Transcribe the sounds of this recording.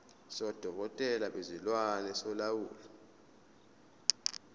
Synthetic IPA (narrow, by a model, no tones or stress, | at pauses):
sɔd̥ʱɔk̬ɔtʼɛlaɓezilwanɛsɔlawṵːla